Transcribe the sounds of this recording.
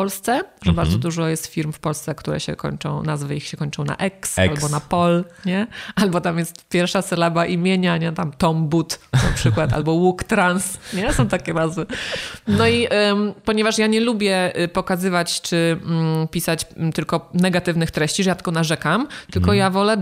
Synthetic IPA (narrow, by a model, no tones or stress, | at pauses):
pɔlst̪sɛʐɛbaɾzɔd̪uʐɔjɛst̪fʲiɾmfpɔlst̪sɛkt̪uɾɛ̰ɕɛ̰kɔ̰ɲt͡ʂɔ̰̃w̃nazvɘixɕɛkɔɲt͡ʂɔ̃w̃na̰ʔɛksalbɔnapɔlɲɛalbɔt̪amjɛst̪pʲjɛɾfʂasɛlabaʔimʲjeɲaɲɛt̪amt̪ɔmbut̪napʂɘkwat̪a̰lbɔwukt̪ɾansɲɛsɔ̃w̃t̪akʲɛnazvɘnɔiʔpɔɲɛvaʂjaɲɛlubʲjɛpɔkazɘvat͡ɕt͡ʂɘm̩pʲisat͡ɕt̪ɘlkɔnɛɡat̪ɘvnɘxt̪ɾɛɕt͡ɕiʐɛjat̪ɛ̥ɡɔnaʐɛkamt̪ɘlkɔjavɔlɛ